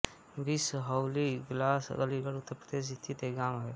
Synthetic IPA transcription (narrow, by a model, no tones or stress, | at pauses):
bisɦəʊliɡlaːsɡəliɡəɽʊt̪ːəɾpɾəd̪eːs̬ɪst̪ʰit̪eɡaːmɦɛː